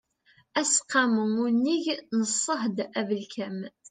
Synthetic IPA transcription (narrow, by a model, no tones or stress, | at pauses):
æsqɑməmunːiʝnəsˤːəhd̪ævəlkʰæm